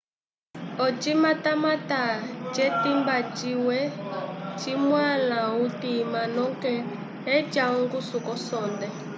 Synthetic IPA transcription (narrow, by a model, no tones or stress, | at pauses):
ɔt͡ʃimatamatad͡ʒɛtimbat͡ʃiwɛt͡ʃimwanautimanɔŋkɛ | ɛd͡ʒaŋɡusukɔsɔndɛ